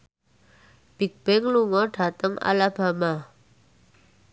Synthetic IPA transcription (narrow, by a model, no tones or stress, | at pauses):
b̥i̤k̚b̥ɪŋluŋɔɖ̥a̤t̪əŋa̰lab̥a̤ma